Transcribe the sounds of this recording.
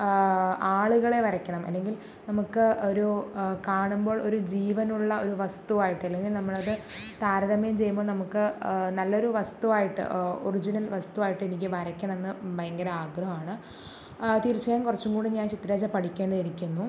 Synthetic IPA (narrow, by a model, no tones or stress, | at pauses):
aːɭuɣɐɭe̞ʋɐɾɐkʲːɐɳɐmʔɐ̰lːe̞ŋɡil | nɐmukːɨo̞ɾukaːɳumbo̞ːɭo̞ɾud͡ʑiːʋɐnuɭːɐo̞ɾuʋɐst̪uʋaːjiʈːɨɐlːe̞ŋɡilnɐmːɐɭɐðɨ | t̪aːɾɐðɐmɐjumt͡ɕe̞jːumbo̞ːɭnɐmukːɨnɐlːo̞ɾuʋɐst̪uʋaːjiʈːɨ̰orid͡ʑinɐlʋɐst̪uʋaːjiʈːɨenik̬ʲːɨʋɐɾɐkʲːɐɳɐme̞nːɨbʱɐjɐŋɡɐɾɐaːɡrɐɦɐmaːɳɨ | t̪iːɾit͡ɕːɐjɐmkurɐt͡ɕːuŋkɡuːɽɨɲaːnt͡ɕit̪ːrɐɾeːd͡ʑɐpɐʈʰikʲːe̞ːɳɖɐðiɾikʲːunːu